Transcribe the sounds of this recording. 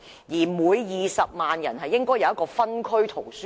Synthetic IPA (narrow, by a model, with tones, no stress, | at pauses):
jiː˨˩muː˨˧jjiː˨sɐ˨p̚maː˨njɐ̰˨˩nɦɐ˨jːɪ˥ŋkɔː˥jɐ˧wɐ˥kɔː˧fɐ˥nkʰɵ˥ɥt̪ʰo˨˩wsy˥